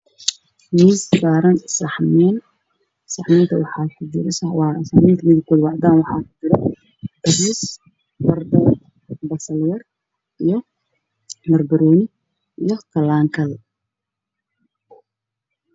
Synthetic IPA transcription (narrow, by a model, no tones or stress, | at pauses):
miːssaːɾɐnsɑħmɛːn | sɑħmɛːnt̪ʰɐwɑħɑħʊd͡ʒɪɾɪsɐwɑːsɑħmɛːnt̪ʰɐmɪðɪkʰɔːd̪wɑʕd̪aːnwɑħɑ̰ːħʊ̥d͡ʒɪɾɛ | dɐriːs | mɐrd̪ɐ | bɐsɐljɐr | ijɞ | mɐrbɪɾɔːnɪ | ʔijɔt̪ʰɐlaːŋkʰɐl